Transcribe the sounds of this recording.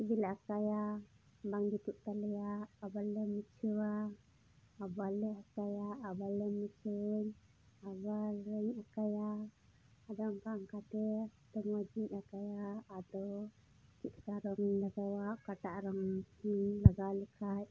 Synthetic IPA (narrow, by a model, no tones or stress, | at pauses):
id͡ʒilaakaja | baŋdit̪uʔt̪alɛjaʔabalɛmut͡ʃʰəwa | abalɛakajaʔabalɛmit͡ʃʰeɲ | abaɾɛɲakajaː | d̪ɔaŋkaaŋkat̪ɛt̪ɔŋwad͡ʒiɲakajaːd̪ɔw | kit̪̚kaɾɔŋɲlaɡawaʔkaʈaʔɾɔŋilaɡalɛkʰaj